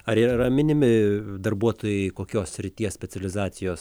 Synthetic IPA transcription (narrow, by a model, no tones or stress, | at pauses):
ɐɾiɾɐmʲɪnʲɪmʲɪd̪ɐrbuɔt̪oːjɛɪkoːkʲoːssʲɾʲɪt̪ʲiɛssʲpʲɛt͡sʲɛlʲɪzɑːsʲɪjoːs